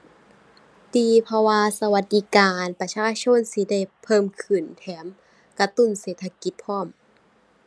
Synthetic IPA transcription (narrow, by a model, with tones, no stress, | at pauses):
t̪iː˧pʰɔ˧waː˧sa˧wa˧˦t̪̚di˧˦kaː˨npa˧t͡ɕʰaː˧˩t͡ɕʰo˧˥˨nsi˧˦da˧˩jpʰɤː˧˥˨mkʰɯ˧˩nt̪ʰɛː˨˦m | ka˧t̪u˧˥˨nseː˨˩t̪ʰːa˧ki˧˦t̪̚pʰɔː˧˥˩m